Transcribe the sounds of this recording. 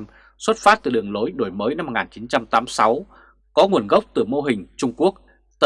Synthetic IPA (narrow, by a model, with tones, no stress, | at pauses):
m | swə˦˥t̚faː˦˥t̚t̪ɨ˨˩ɗɨ˨˩əŋlo˨˦jɗo˧˩jməː˨˦jna˧m̚ː˨˩ŋaː˨˩nt͡ɕi˨˦nt͡ɕa˧mt̪aː˨˦msa˨˦w | kɔ˨˦ŋu˨˩ənɣə˦˥wk͡p̚t̪ɨ˧˩mo˧ɦï˨˩ŋ̟t͡ɕʊ˧ŋ͡mku˦˥ək̚ | t̪